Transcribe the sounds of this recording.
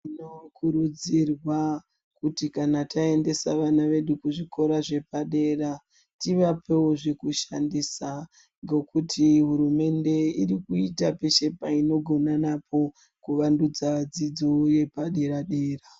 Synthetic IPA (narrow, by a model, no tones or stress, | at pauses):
ino̞kʰuɾud͡zirwa | kutikanatʰae̞nde̞saʋanaʋe̞ɗukuʐiko̞ɾaʐe̞paɗe̞ɾa | tiʋapʰe̞woʐekuʃa̰ndisa | ŋɡekutʰiɦuɾume̞nde̞irikuitape̞ʃe̞paino̞ɡʱo̞nanapʰo̞ | kuʋandud͡zaʋad͡zid͡zoje̞paɗe̞ɾaɗe̞ːra